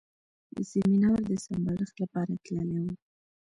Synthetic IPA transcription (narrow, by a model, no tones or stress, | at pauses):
d̪ə̰seminawɾd̪əsambaɾəxt̪lapɑɾat̪ləlawə